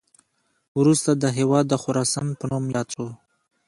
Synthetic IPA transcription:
wɾust̪ad̪əɦewɑd̪ːəxʊɾɑsɑnpənumjɑo

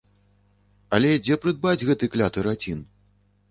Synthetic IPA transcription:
ɐlʲɛd͡zʲɛpɾɨd̪̚bad͡zʲɣɛt̪ɨklʲat̪ɨɾat͡sʲin

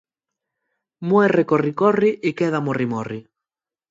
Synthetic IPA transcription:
mwɛrekorikɔriʔɪkɛðamorimɔri

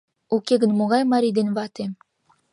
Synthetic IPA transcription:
ukʲeɡɘ̆nmoʁɑjmɑɾʲid̪envɑt̪e

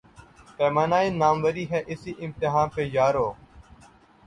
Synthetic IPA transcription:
t̪eːmanaːiːnaːmʋəɾiːɦɛːʔɪsiːʔɪmt̪ɪɦaːnpeːjaːɾoː

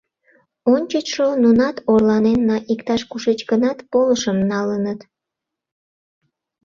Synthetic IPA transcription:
onʲt͡ɕət͡ɕʃonunɑt̪orlɑnenːɑʔikt̪ɑʃkuʃet͡ɕɡənɑt̪poləʃəmnɑlənət̪

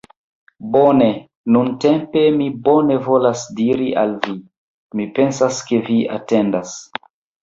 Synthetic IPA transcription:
bone | nuntempe̞mibo̞ne̞vo̞lasdiɾia̰lvi | mipe̞nsaske̞via̰te̞ndas

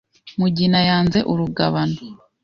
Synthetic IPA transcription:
muɟinajaːnze̞ʔuɾuɡaβano

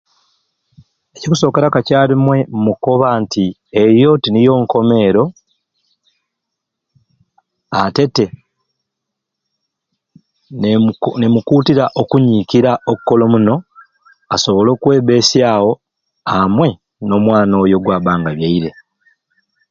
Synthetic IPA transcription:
ecikuso̞ːkeɾakacaːɾimwe̞muko̞βanti | e̞jo̞tinijo̞ːŋko̞me̞ːɾo̞ | ate̞te̞ | nemukutiɾaʔokuɲiːkiɾaokukːo̞lo̞muno̞ | aso̞βo̞lo̞ːkwe̞ːβe̞ːsjaːwo̞ | amwe̞ | no̞ːmwaːno̞jo̞ɡwaːβaːŋɡaβjaiɾe̞

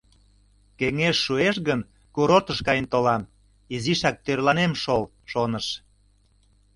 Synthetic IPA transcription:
keŋeʃːueʃɣən | kuɾot̪əʃkɑjənt̪olɑm | iziʃɑk̚t̪ørlɑnemʃol | ʃonəʃ

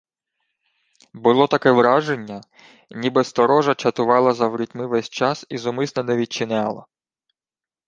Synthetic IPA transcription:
bʊlˠɔt̪ɐkɛʋɾɑʒe̞nʲːɐ | nʲibɛst̪ɔɾɔʒɐt͡ʃɐt̪ʊʋɑlˠɐzɐwɾʲitʲmɪʋɛsʲt͡ʃɑsizɔmɪsnɐnɛʋʲit͡ʃɪnʲɑlˠɐ̰

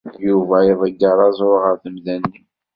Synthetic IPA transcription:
juvæjəðˤəɡːəɾˤɑzˤoʁəɾθəmðænːi

